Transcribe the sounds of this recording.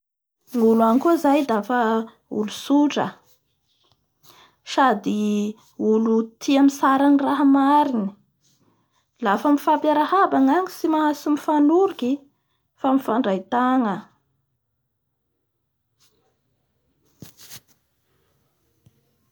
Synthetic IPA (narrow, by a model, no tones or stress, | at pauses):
ŋuluanikuzajd̪afə | ṵlusuʈ͡ʂə̰ | sad̪i | ulut̪ʰiamisaɾaniraɦəmaɾini̥ | lafəmifapjaɾahabaŋaŋisimaɦasumifanuɾuki | famifaɳɖ͡ʐajt̪aŋə